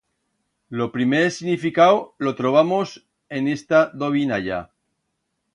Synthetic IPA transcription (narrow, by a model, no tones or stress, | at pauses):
lo̞pɾimeɾesiɣnifikawlot̪ɾoβ̞amos | e̞nest̪aðoβ̞inaʎa̰